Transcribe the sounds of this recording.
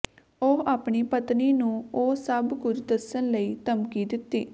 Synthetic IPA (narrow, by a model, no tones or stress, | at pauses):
oːaːpɳiːpət̪niːnũːoːsəbkʊd͡ʒd̪əsənləiːt̪əmkiːd̪ɪt̪ːḭː